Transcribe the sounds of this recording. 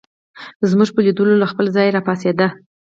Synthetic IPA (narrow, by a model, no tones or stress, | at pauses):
zmuʒpəlid̪əlolaxpəlzɑjɾɑpɑsed̪a